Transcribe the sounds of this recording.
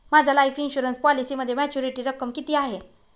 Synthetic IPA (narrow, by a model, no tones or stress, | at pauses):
mad͡ʑʱalaifinɕuɾənspɔlisiːməd̪ʱːjemæt͡ɕuɾiʈiːɾəkəmkit̪iːaɦe